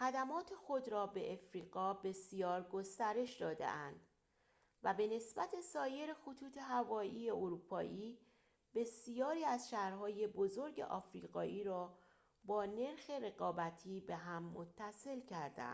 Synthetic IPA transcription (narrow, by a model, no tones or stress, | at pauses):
xæd̪æmɒːt̪ʰe̞xo̞d̪ɾɒːbe̞ʔefɾiːɣɒːbe̞sijɒːɾɡost̪æɾe̞ʃd̪ɒːd̪ḛʔænd̪̥ | væbe̞ne̞sbæt̪ʰe̞sɒːje̞ɾexot̪ʰuːt̪ʰe̞ɦævɒːʔiːjeoɾuːpʰɒːʔiː | b̥e̞sijɒːɾiːæzʃæhɾɦɒːje̞bozo̞ɾɟḛʔɒ̰ːfɾḭːɣɒ̰ːʔiːɾɒː | bɒːne̞ɾxe̞re̞ɣɒːbæt̪ʰiːbe̞ɦæmːot̪ʰːæse̞lcʰæɾd̪æ̰n̥